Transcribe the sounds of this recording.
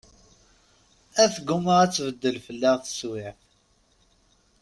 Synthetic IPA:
æθɡʊməʁæt͡sːvəd̪ːəlfəlːiʁθə̥swɪ

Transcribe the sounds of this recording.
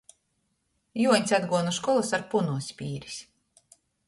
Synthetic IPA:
juɔɲʲsʲad̪ɡuɔnuʃkɔlˠasaɾpunuɔsʲpʲiːɾi̥s

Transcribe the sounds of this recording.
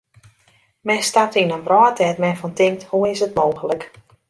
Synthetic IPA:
mɛnstap̚tinənbrɔːtʰɛtmɛnfɔntɪŋk̚thuɪsətmoːxələk

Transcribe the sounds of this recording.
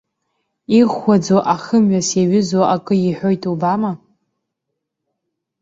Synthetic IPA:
iʁʷad͡zoʔaχəmɥʷasjaɥʏzaʔakʼɨiħʷᶣo̞jtʰʼubama

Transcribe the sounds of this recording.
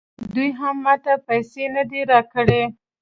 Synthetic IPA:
d̪ujɦamːɑt̪apajsenəd̪iɾɑkəɽe

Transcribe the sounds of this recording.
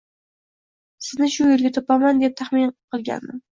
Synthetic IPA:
sɪznɪʃʊjelɡʲat̪ʰopamand̪e̞p̚t̪ʰaχminqʰɨlˠɡʲa̰nːɪ

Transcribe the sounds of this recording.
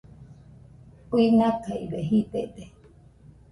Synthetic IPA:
pinakaiβeɦit̪eʔt̪e

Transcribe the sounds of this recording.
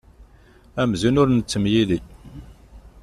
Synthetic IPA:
æmzunʊɾnət͡sːəmjili

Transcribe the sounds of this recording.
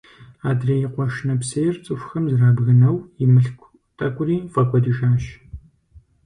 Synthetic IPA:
aːdrɐjɪqʷɔʃnɐpseːjrt͡sʼɨfʷxɐmzraːbɣɨnɐwjɪmɨɬkʷ | tʼɐkʷʼʊriːfʼɐkʷʼɔdiʃaːɕ

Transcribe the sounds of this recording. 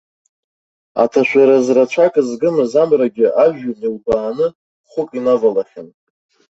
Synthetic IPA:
a̰tʰaʃʷʰᶣaɾazrat͡ʃʷʰakʼzɡɨmɨzamraɡʲɪʔaʒᶣʊnilbaːnɨ | χʷʊkʼinavalaχʲɪn

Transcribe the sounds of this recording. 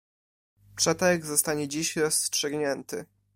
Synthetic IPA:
pʂɛt̪ɛɡzɔst̪aɲɛd͡ʑiɕɾɔstʂɘɡɲɛnt̪ɘ̰

